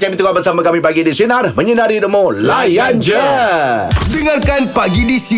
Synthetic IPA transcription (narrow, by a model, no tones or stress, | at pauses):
kamit̪ukabərsamakamipaɡidisinaɾhməɲənaɾidəmolajand͡ʒə | diŋarkanpaɡidisi